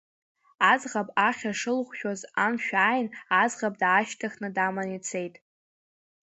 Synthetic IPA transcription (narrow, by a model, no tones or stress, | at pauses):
azʁapʼaχʲaʂɨlχʷʃᶣozamʃᶣaːjnazʁapʼdaːʃtʰaχʲnɨdamanit͡sʰe̞jtʼ